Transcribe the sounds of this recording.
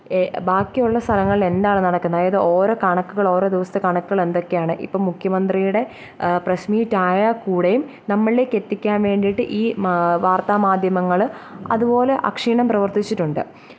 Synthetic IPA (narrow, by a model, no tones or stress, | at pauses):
baːkːijuɭːɐst̪ʰɐlɐŋːɐɭile̞nd̪aːɳɨnɐɽɐkːunːɐðjɐðɨʔo̞ːɾo̞ːkɐɳɐkːuɣɐɭo̞ːɾo̞ːd̪iʋɐst̪ɐkɐɳɐkːuɣɐɭe̞nd̪o̞kːejaːɳɨʔḭpːoːmukʰjɐmɐnd̪rijuɽe̞ | prɐɕmiːtːaːjɐkuːɽejum | nɐmːɐɭlekːet̪ːikʲːaːnʋe̞ːɳɖijiʈːɨʔiːʋaːrt̪aːmaːd̪ʱjɐmɐŋːɐɭɐ̰ðupo̞ːle̞ʔɐ̰kʂiːɳɐmprɐʋɐrt̪it͡ɕːiʈːuɳɖɨ̰